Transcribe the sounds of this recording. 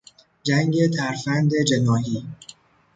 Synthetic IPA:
d͡ʒæŋɡe̞t̪ʰæɾfænd̪e̞d͡ʒe̞nɒːɦiː

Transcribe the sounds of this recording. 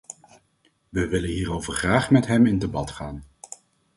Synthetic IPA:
ʋəʋɪlənɦiːɾowvəɹχraːχmɛtɦɛmɪndebɑtχaːn

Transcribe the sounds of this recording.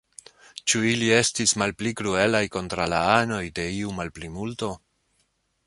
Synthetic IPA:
t͡ʃuilie̞stismalplikɾue̞lajko̞ntɾalaano̞jde̞iumalplimulto̞

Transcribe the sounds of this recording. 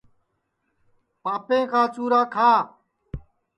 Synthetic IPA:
paːpẽːkaːt͡ʃuːɾaːkʰaː

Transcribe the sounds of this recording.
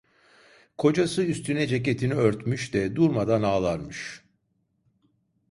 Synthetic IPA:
kʰo̞d͡ʒasɯyst̪ʰynɛd͡ʒec̬e̞t̪ʰiniøɾt̪myʃd̪̥ɛd̪uɾmad̪anaːlˠaɾmɯʃ

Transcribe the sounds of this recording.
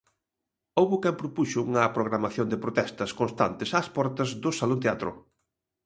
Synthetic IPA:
owβʊkɛmpɾopuʃʊuŋɐpɾoɣ̞ɾamaθjond̪ɪpɾot̪ɛst̪ɐskonst̪ant̪ɪsaspɔɾt̪ɐzðʊsalont̪eat̪ɾʊ̰

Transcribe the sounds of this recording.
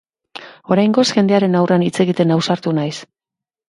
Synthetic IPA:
o̞ɾajŋɡo̞sxe̞nd̪e̞aɾe̞nawranit͡se̞ɣit̪e̞nawsaɾt̪unajs

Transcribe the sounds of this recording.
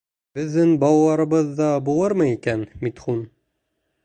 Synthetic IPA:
bɘ̆ðːɘnbɑwlˠɑɾɤ̆βɤðːɑbulˠɤɾmɤikænmit̪χun

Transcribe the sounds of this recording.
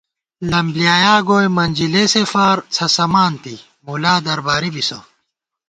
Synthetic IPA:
lɐmblijaːjaːɡoːjmɐnd͡ʑilesefaːɾt͡sʰɐsɐmaːnt̪i | mulaːd̪ɐɾbaːɾibiso̰

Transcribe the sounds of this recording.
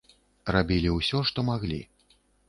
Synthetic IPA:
rabʲilʲiwsʲɔʂt̪ɔmaɣlʲḭ

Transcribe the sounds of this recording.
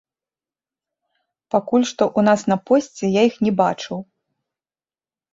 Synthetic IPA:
pakulʲʂt̪ɔʔun̪asnɐpɔsʲt͡sʲɛjajixnʲɛba̰t͡ʂɨw

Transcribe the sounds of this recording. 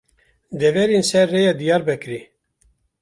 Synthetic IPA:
d̪ɛvɛɾinsɛɾːejɑd̪ijɑːɾbɛkɾi

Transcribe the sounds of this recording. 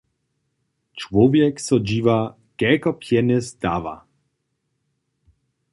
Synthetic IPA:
t͡ʃwɔvjɛksɔd͡ʑiːva | kɛkɔpjɛnɛzd̪a̰ːva̰

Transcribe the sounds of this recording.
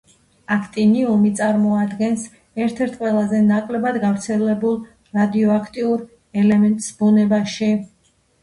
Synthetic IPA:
akʰt̪ʼiniumit̪sʼaɾmɔad̪ɡɛns | ɛɾt̪ʰɛɾt̪ʰqʼwɛlˠazɛnakʼlɛbad̪ɡavɾt̪sʰɛlɛbulˠ | ɾad̪iɔakʰt̪ʼiuɾ | ɛlɛmɛnt̪ʼsbunɛbaʃi

